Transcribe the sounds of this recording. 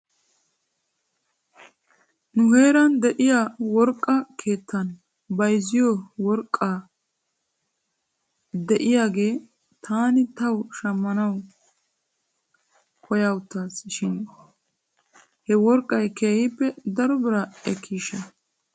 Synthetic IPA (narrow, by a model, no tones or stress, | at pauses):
nʊhe̞ːɾɐnd̪ɛʔɪjawɔɾkʼːɐkʰe̞ːt̪ːɐn | bɐjzɪjɔwɔɾkʼːaː | d̪ɛʔɪjaːɡe̞ː | t̪ʰaːnɪt̪ɐwʃɐmːɐnɐw | kʰɔjawʊt̪ːaːsʃɪn | hɛwɔɾkʼːɐjke̞ːhɪpːɛd̪ɐɾɔbɪɾɐɛkʰːiːʃɐ